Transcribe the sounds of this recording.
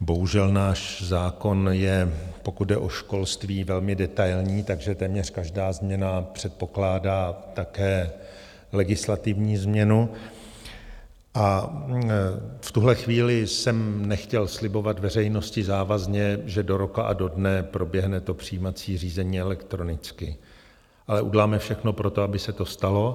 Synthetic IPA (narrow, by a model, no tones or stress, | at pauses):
bo̞ɦuʒɛlnaːʃzaːko̞njɛpo̞kut̪̚dɛʔo̞ʃko̞lst̪viːvɛlmɪdɛt̪ajlɲiːt̪aɡʒɛt̪ɛːmɲɛr̝̥kaʒdaːzmɲɛnapr̝̥ɛt̪̚po̞klaːdaːt̪akɛː | lɛɡɪslat̪ɪvɲiːzmɲɛnu | ʔa | ft̪uɦlɛxviːlɪsɛmnɛxcɛlslɪbo̞vat̪vɛr̝ɛjno̞scɪzaːvazɲɛʒɛdo̞ɾo̞kaʔado̞dnɛpɾo̞bjɛɦnɛt̪o̞pr̝̥ijiːmat͡siːr̝iːzɛɲiːɛlɛkt̪ɾo̞nɪt͡skɪ | ʔalɛʔṵɟɛlaːmɛfʃɛxno̞pɾo̞t̪oabɪsɛt̪o̞st̪alo̞